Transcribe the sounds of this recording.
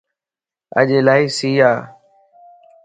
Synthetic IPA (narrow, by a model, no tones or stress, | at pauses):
ə̰ʄeːlaːiːsiːaː